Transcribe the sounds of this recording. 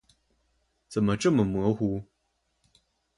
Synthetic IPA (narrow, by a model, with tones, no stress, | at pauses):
t͡sə˨˩mə˨ʈ͡ʂɤ˥˩mə˨˩mwɤ˧˥xu˧˥˦